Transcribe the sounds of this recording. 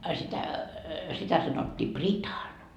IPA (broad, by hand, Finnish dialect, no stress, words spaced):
ɑ sitæ sitæ sɑnotːiː pritɑn